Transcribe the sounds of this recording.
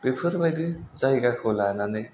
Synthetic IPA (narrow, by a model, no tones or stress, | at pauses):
bepʰɯɾbajdɯzajɡakʰɯlananɯj